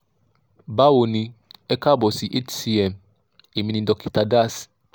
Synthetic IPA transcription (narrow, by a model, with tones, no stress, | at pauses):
ba˦wo˨nĩ˧ɛ˦ka˦bɔ˨si˨ʔe˦tsi˦ɛ˨m | e˨mĩ˦nĩ˨dɔ˨ki˨ta˨da˦s